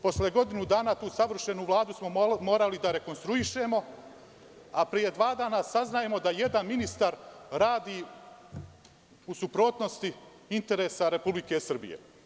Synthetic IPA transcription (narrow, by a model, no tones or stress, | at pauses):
po̞sleɡo̞d̪inud̪aːnat̪uːsaʋr̩ʃe̞nuʋlˠaːd̪usmo̞mo̞ːɾalid̪aɾe̞ko̞nst̪ɾuiʃe̞mo̞ | apɾije̞d̪ʋaːd̪aːnasaznaje̞mo̞d̪aje̞d̪anminist̪aɾɾaːd̪iː | usupɾo̞ːt̪no̞st̪i | int̪e̞ɾe̞ːsaɾe̞publike̞sr̩bḭjḛ